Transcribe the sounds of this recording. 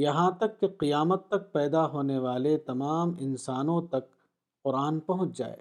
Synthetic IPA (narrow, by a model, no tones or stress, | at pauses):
jɐɦãt̪ɐkːeqijaːmət̪ːɐk̚pɛːd̪aɦoːneʋaːlet̪ɐmaːmɪnsaːnõt̪ɐk̚ | qʊɾaːnpɐɦʊ̃t͡ʃd͡ʒa̰ːḛː